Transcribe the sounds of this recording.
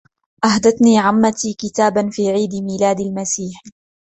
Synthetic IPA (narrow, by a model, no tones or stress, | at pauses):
ʔahd̪aθniːʕamːat̪iːkɪt̪aːbanfiːʕiːd̪ɪmiːlaːd̪almasiːħ